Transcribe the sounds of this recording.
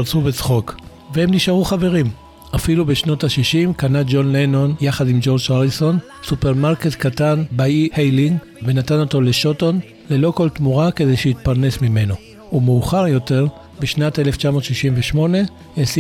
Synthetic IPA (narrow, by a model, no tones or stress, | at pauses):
ʁt͡subet͡sχo̞k | vehemniʃaʁuχave̞ʁim | afilubeʃno̞thaʃiʃimkanad͡ʒo̞nleno̞njaχadimd͡ʒo̞ʁd͡ʒaʁilso̞n | supeʁmaʁke̞tkatanbaihejliŋɡ | ve̞natano̞to̞le̞ʃo̞ton | le̞lo̞ko̞lt̪muʁake̞de̞jʃeit̪̚paʁne̞smime̞no̞ | umeuχaʁjo̞te̞ʁ | beʃnate̞left͡ʃamo̞ːt̪ʃiʃimveʃmo̞ne̞ | es